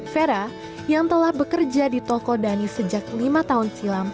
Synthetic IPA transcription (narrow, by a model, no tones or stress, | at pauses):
feɾa | jaŋt̪əlahbəkərd͡ʒadit̪ɔkɔdanisəd͡ʒak̚limat̪aɦʊnsilam